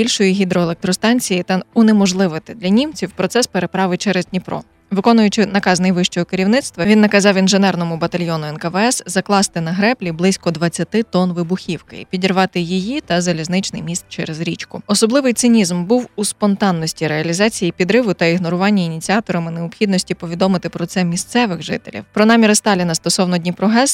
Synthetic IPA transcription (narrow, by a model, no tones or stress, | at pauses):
bʲilʲʃɔjiɦʲid̪ɾɔelˠek̚t̪ɾɔst̪ɑnʲt͡sʲijit̪ɑʊnemɔʒlˠɪʋɪt̪ɪd̪lʲɐnʲimt͡sʲiwpɾɔt̪sɛspeɾe̞pɾɑʋɪt͡ʃɛɾeznʲipɾɔ̰ | ʋɪkɔnʊjʊt͡ʃɪnɐkɑznɪjʋɪʃt͡ʃɔɦɔkɪɾʲiwnɪt̪st̪ʋɐʋʲinːɐkɐzɑwinʒenɛrnɔmʊbɐt̪ɐlʲjɔnʊɛnkɐʋɛɛszɐklˠɑst̪ɪnɐɦɾɛplʲiblˠɪsʲkɔd̪ʋɐt͡sʲːɐt̪ɪt̪ɔnʋɪbʊxʲiwkɪ̰ḭpʲidʲirʋɑt̪ɪjijit̪ɐzɐlʲiznɪt͡ʃnɪ̰jmʲist̪̚t͡ʃɛɾezɾʲit͡ʃkʊɔsɔblˠɪʋɪjt̪sɪnʲizmbuwuspɔnt̪ɑnːɔsʲtʲiɾeɐlʲizɑt͡sʲijipʲid̪ɾɪʋʊt̪ɐiɦnɔɾʊʋɑnʲːɐinʲit͡sʲiɑt̪ɔɾɐmɪneʊpxʲid̪nɔsʲtʲipɔʋʲid̪ɔmɪt̪ɪpɾɔt̪sɛmʲist̪sɛʋɪɣʒɪ̰t̪ḛlʲḭwpɾɔnɑmʲiɾst̪ɑlʲinɐst̪ɔsɔwnɔdʲnʲipɾɔɦɛs